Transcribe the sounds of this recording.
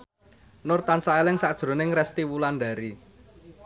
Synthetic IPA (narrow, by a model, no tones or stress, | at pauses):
nʊrt̪ansaelɪŋsad̥ʒ̥ɾo̤nɪŋrɛst̪iwulanɖa̤ɾi